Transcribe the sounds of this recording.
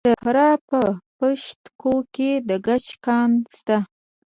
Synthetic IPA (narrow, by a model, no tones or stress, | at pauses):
sahɾɑpəpəʃt̪koked̪əɡat͡ʃkɑnst̪a